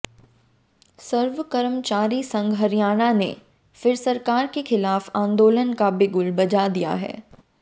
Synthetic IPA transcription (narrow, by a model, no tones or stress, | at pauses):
səɾʋəkəɾəmt͡ʃaːɾisɐ̃ŋɡɦɐɾjaːñanḛ | fɪɾsɐɾkaːɾkexɪlaːfãːnd̪oːlənkabɪɡʊlbɐd͡ʒad̪ija̰ɦɛ̰ː